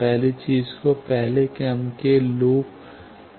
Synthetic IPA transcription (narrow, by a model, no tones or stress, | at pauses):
pɛɦlet͡ʃiːzkopɛɦlekeɐmkeluːp